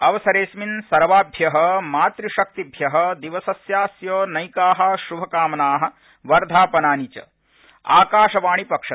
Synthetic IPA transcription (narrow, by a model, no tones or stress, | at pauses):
ɐʋɐsɐɾeːsminsɐɾʋaːbʱjɐɦɐ̆maːt̪ɾiʃɐk̚t̪ibʱjɐɦɐ̆d̪iʋɐsɐsjaːsjoːnɐjkaːɦɐ̆ʃubʱɐkaːmɐnaːɦɐ̆ | ʋɐɾd̪ʱaːpɐnaːnit͡ʃɐ̰ | a̰ːkaːʃɐʋaːɳ̃ipɐkʂɐ